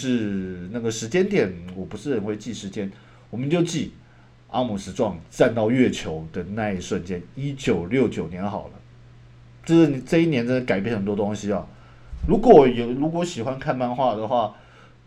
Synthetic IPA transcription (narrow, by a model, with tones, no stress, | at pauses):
ʂɻ̩˥˧na˥˩ɡə˩ʂɻ̩˧˥t͡ɕjɛ˥nt̪jɛ˨˩˦nwɔ˨˩pu˧˥ʂɻ̩˥˩ɻə˨˥nxwe˥˧ɪt͡ɕi˥˩ʂɻ̩˧˥t͡ɕjɛ˥n | wɔ˨˩mə˦nt͡ɕjo˥˧ʊt͡ɕi˥˩ | ʔa˥mu˨˩ʂɻ̩˧˥ʈ͡ʂwɑ˥˧ŋt͡sa˥˧nt̪ɑ˥˧ʊɥɛ˥˩t͡ɕʰjo˧˥ʊd̪ə˨na˥˧i˥˩ʂwə˥˩nt͡ɕjɛ˥ni˥t͡ɕjo˨˩ʊljo˥˩ʊt͡ɕjo˨˩ʊnjɛ˧˦˥nxɑ˨˩ʊlə˦ | t͡ɕʂ̩˥˩ni˨˩ʈ͡ʂɤ˥˧i˥˩njɛ˧˥nʈ͡ʂə˥nd̪ə˧ka˨˩ɪp̬jɛ˥˩nxə˨˩nt̪wɔ˥˧t̪o˥ŋɕi˥ɐ˨ | ɻu˧˥kwɔ˨˩˦jɛ˨˩ɻu˧˥kwɔ˧˥ɕi˨˩xwa˦˥nkʰa˥˧nma˥˧nxwa˥˩d̪ə˩xwa˥˩